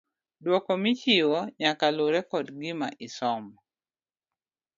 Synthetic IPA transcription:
dwɔkɔmɪt͡ʃiwɔɲakaloɾɛkɔdɡɪma̰ʔɪsɔm

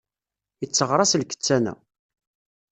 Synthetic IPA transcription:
ət͡sːəʁɾˤɑslkə̥t͡sːænæ̰

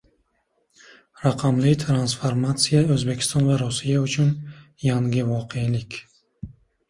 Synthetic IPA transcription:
ɾaqʰamlɪt̪ʰɾansfoɾmat̪sijaɵzbe̞kʲʰɪ̥st̪ɒnvaɾusijaʊt͡ʃʰʊn | jaŋɡʲɪvɒqʰelɪkʲ

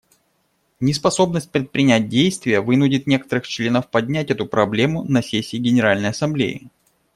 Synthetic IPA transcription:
nʲɪspɐso̞bnəsʲt̚ʲpɾʲɪt̪̚pɾʲɪnʲæt̚ʲdʲejst̪vʲɪjəvɨnʊdʲɪt̪nʲe̞kə̥t̪əɾɨxt͡ɕlʲe̞nəfpɐdʲnʲætʲɛt̪ʊpɾɐblʲe̞mʊnɐsʲesʲːiːɡʲɪnʲɪɾalʲnəjɐsɐmblʲḛjɪ̰

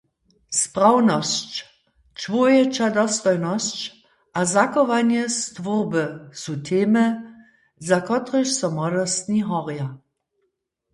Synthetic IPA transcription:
sprawnɔst͡ɕ | t͡ʃvojɛt͡ʃadɔstɔjnɔst͡ɕ | ʔazakɔvanjɛst̪vʊʁbəsutʰeːmə | zakɔtʁəʃsɔmɔdɔst̪niɦɔʁja

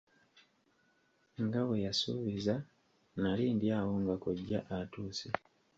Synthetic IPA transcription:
ŋɡawejasṵβiza | naliːndiawoŋɡakoɟːa̰ʔatuːsi

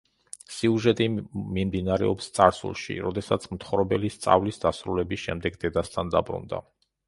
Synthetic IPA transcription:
siuʒɛt̪ʼimimd̪inaɾɛ̰ɔpst̪sʼaɾsṵlˠʃḭɾɔd̪ɛsat̪sʰmt̪ʰχɾɔbɛlist̪sʼa̰vlisd̪asɾulɛbisʃɛmd̪ɛɡd̪ɛd̪ast̪ʰand̪abɾṵnd̪a̰

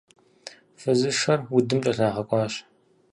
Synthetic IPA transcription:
fɨzɨʂɐrwʊdɨmt͡ʃʼɐɬaːʁɐkʷʼɑːɕ

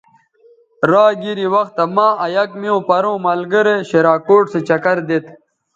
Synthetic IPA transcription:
ɾaːɡiɾiwɐxt̪ɐmãːɐjɐkmiõːpɐɾõːmalɡəɾeɕeɾaːkoːʈset͡ɕɐkɐɾd̪et̪

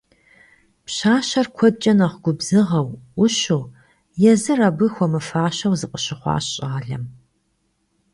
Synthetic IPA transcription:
pɕaːʃɐrkʷʰɔd̚t͡ʃʼɐnɐχʷɡʷʊbz̥ɨʁɐwʷʊʃuː | jɛzɨrɐbɨxʷɔmɨfaːɕɐwzɨqʼəɕɪχʷɑ̰ːɕʼɐʁɐɮɐm

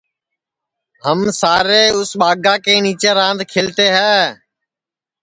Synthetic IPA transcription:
həmsaːɾeːʊsɓaːɡãːkeːniːt͡ʃeːɾãːnd̪ʱkʰɪlt̪eːɦɛː

